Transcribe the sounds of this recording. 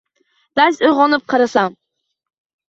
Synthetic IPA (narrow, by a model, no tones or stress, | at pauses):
d̪̥asojʁɒnɪp̚qʰɨɾasam